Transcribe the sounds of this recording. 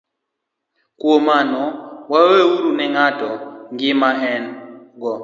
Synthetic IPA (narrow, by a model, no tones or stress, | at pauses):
kuɔmanɔwaweuɾunɛŋatɔŋɡimaɦɛnɡɔ